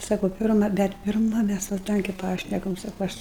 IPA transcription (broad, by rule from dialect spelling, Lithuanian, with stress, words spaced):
ˈsɑːkʊ ˈpʲɪrmɐ ˈbʲɛt pʲɪrˈmɐ ˈmʲæs ʋɐ ˈtɐŋʲkʲeː ˈpɑːʃʲnʲɛkɐm ˈsɑːkʊ ˈɐʃ